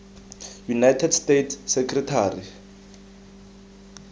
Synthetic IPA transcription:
junajtʰɛdstetʰsːekʰritʰaːri

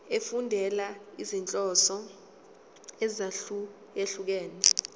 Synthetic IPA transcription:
efundʱɛlaizint͡ɬʼɔsɔ | ɛzaɬu | jeɬuk̬ɛːnɛ

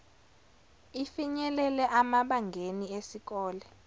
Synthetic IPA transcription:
ifiɲɛlɛlɛʔamaɓaŋɡʱeniesik̬ʼɔːlɛ

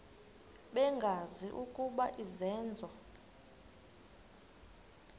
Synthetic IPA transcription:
ɓɛŋɡʱaziʔukʼuɓaʔizɛːnd͡zʱɔ

